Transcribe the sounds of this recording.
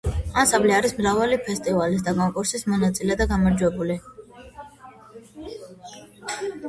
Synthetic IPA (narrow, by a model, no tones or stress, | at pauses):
ansambliaɾismɾavalipʰɛst̪ʼivalis̬d̪akʼɔŋkʼuɾsismɔnat̪sʼilɛd̪aɡamaɾd͡ʒwɛbuli